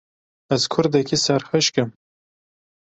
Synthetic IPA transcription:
ɐzkʰʊɾd̪ɛkʰisɐɾxɨʃkɨm

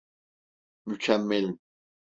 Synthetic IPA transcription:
mycʰæmːɛlʲ

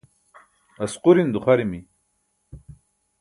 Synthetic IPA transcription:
ɐsquɾind̪uχaɾimi

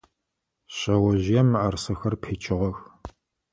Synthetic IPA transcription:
ɕɐwɐʑɪjɛmːɨʔɐrsɐxɐrpʰeːt͡ʃʼɪʁɐx

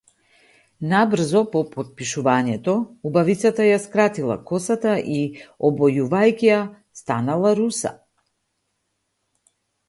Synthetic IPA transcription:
nabr̩zɔpɔpɔt̪̚piʃuvaɲɛt̪ɔubavit̪sat̪ajaskɾat̪ilˠa̰kɔsat̪aʔiɔbɔjuvajkʲija | st̪analˠaɾusa̰

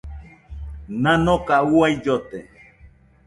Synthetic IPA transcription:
nãnokauaid͡ʒot̪e

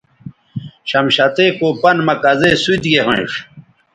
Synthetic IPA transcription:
ɕɐmɕɐt̪ekoːpɐnmɐkɐzesut̪ɡeʁḛ̃iʂ

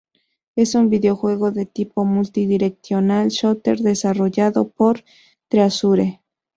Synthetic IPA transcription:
e̞sumbiðeoxwe̞ɣo̞ðet̪ipomult̪iðiɾekθjonalʃot̪eɾðesaroʝaðopoɾ | t̪ɾeasuɾe

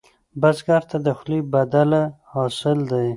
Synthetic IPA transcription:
bazɡaɾt̪ʰad̪əxlibad̪alahɑsɪld̪aj

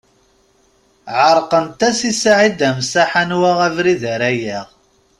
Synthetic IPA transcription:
ʕəɾˤqənt̪æsisaʕid̪æmsaħanwaʁævɾiðæɾæjæʁ

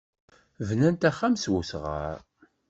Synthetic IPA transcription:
vnænt̪æχæmswusʁə̰ɾ

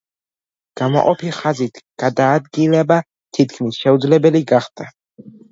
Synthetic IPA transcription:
ɡ̥ama̰qʼɔpʰiχazit̪ʰɡ̥ad̪aːd̪ɡilɛba | t̪ʰit̪kʰmisʃɛud̪zlɛbɛliɡaχd̪̥a

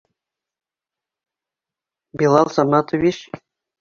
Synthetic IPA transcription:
bʲilˠɑlˠsɑnɑt̪ŏvʲiɕ

